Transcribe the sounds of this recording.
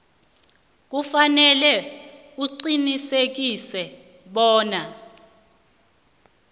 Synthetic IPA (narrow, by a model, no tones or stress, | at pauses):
k̬ufanɛlɛ | uǀinisek̬isɛ | ɓɔːna